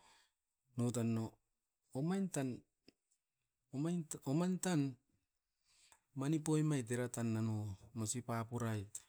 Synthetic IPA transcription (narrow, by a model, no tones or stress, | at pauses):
notanːoː | majntan | omajomantan | manip̬ojmajteɾatanːanomosipapuɾaj